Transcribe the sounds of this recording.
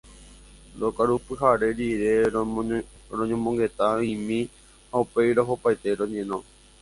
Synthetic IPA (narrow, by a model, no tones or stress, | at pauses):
ɾokaɾupɨɦaɾe̞ɾiɾe̞ | ɾõɲõmõŋɡe̞t̪aĩmĩ | haupe̞jɾoɦopajt̪eɾõɲẽnõ